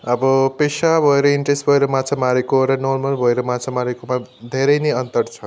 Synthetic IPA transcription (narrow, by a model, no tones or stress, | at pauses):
ʌbʌpesabʱʌeɾʌiɳʈresʈbʱʌeɾʌmãt͡sʰamaɾekoɾʌnormʌlbʱʌeɾʌmãt͡sʰamaɾekomad̪ʱeɾʌjneʌnt̪ʌrt͡sʰʌ